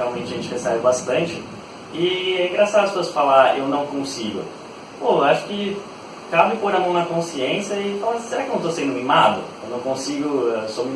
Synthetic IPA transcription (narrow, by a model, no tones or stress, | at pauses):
eawmẽnt͡ʃɪʒẽnt͡ʃɪvesɛɾʊbast̪ɐ̃nt͡ʃɪ | ɪɛĩɡɾasad̪ʊɐspesoɐsfalaɾewnɐ̃w̃kõsiɡʊ̰ | poaʃʊ̥kɪ | kabɪpoɾamɐ̃w̃nɐkõsiẽsjɐɪfalaseɾakɪeñt̪osẽnd̪ʊnimad̪ʊ̰kõwnẽw̃kõsiɡʊsomi